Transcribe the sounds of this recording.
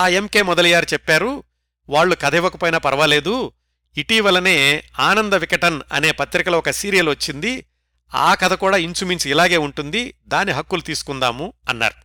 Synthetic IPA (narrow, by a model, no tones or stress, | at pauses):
aːe̞mke̞ːmɔd̪ɐlijaːɾt͡ʃɛpːaːɾu | ʋaːɭːukɐd̪ʱɛʋɐkupɐjnɐpɐɾɐʋɐle̞ːd̪u | iʈiːʋɐlɐne̞ːaːnɐnd̪ɐʋikɐʈɐnɐ̰ne̞ːpɐt̪ɾikɐlɐɔkɐsiːɾijɐluʋɐt͡ʃːind̪i | a̰ːkɐd̪ʰʱɐkuːɽaːiɲt͡ʃuminsilaːɡe̞ːuɳʈund̪id̪aːnːiɦɐkːulut̪iːsu̥kund̪aːmuɐnːa̰ːɾu